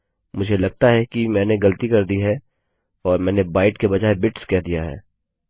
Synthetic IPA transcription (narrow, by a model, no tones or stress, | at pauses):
mʊd͡ʒʱelɐɡ̚t̪aɦɛkimɛ̃ːneɡɐlət̪ikɐɾd̪iɦɛ | ɔːɾmɛ̃ːnebaːɪʈkebɐd͡ʒaːebɪʈskɛːɦd̪ijaɦɛ̰ː